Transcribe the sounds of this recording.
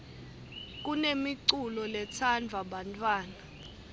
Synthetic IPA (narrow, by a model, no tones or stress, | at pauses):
k̬unemiǀulɔlɛt͡sʰand͡vʱaɓantʰʼwaːna